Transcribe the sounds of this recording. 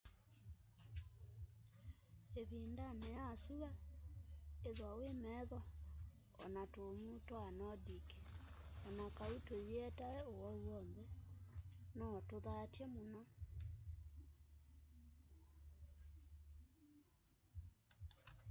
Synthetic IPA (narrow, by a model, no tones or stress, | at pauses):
eβindanɛjasua | eðwawemɛðɔ | ɔ̰natomutoanɔdike̥ɔnakaitojeɛtaɛowɔwwɔnðɛ | nɔtoðatjɛmonɔ